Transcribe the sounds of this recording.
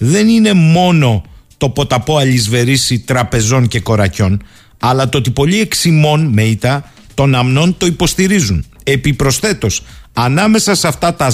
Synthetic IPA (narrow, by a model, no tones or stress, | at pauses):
ðe̞nine̞mo̞no̞t̪o̞po̞t̪ɐpo̞ɐlizve̞ɾisit̪ɾɐpe̞zo̞nce̞ko̞ɾɐco̞n | ɐlɐt̪oot̪ipo̞ʎie̞ksimo̞nme̞it̪ɐ | t̪o̞nɐmno̞nt̪o̞ipo̞st̪iɾizune̞pipɾo̞sθe̞t̪o̞sɐnɐme̞sɐsɐft̪ɐt̪ɐ